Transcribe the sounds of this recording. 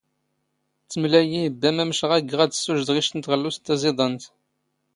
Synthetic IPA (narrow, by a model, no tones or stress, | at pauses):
t͡sːəmlæjibːæmæmʃʁæɡʁæd̪ə̥sːuʒd̪ʁiʃt̪ənt̪ʁəlːust̪ːæzeðˤənt̪